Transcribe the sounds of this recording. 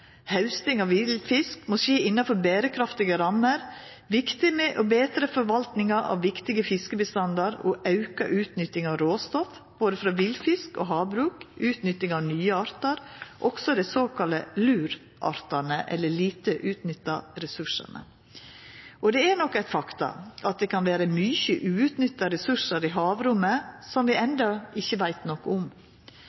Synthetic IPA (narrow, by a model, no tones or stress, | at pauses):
hɑʉst̪ɪŋɑʋʋɪlfɪskmɔseːɪnːɑfɔɾbeːɾəkʰɾɑft̪ɪɡəɾɑmːəɾ | ʋɪkt̪ɪnəʔobeːt̪ɾəfɔɾʋɑlt̪nɪŋɑɾʔɑ̰ʋʋɪkt̪ɪɡəfɪskəbəst̪ɑnd̪ɑɾo̰ʔɑʉkɑʔʉːt̪nʏt̪ːɪŋɑʋɾoːst̪ɔf | b̥oːd̪əfɾɑːʋilfɪsko̰ːɦɑːbɾʉːkʉːt̪nʏt̪ːɪŋɑːʋnyːəɑɾt̪ɑɾʔɔɡ̥sɔd̪æɪsoːkʰɑləlʉːɾ | ʔɑ̰ɾt̪ɑnəʔɛ̰lːəɭiːt̪əʔʉːt̪nʏt̪ːɑɾɛsʉʂə̰nə̰ | ʔɔd̪ɛænɔkːæɪt̪fɑkt̪ɑ̰ʔɑt̪̚d̪ɛkʰɑnʋæːɾəmʏçəʔʉːt̪nʏt̪ːɑɾɛsʉʂəɾɪɦɑːʋɾʊmːəsɔmʋɪɛnd̪ɑɪçːəʋæɪt̪nɔkːʊm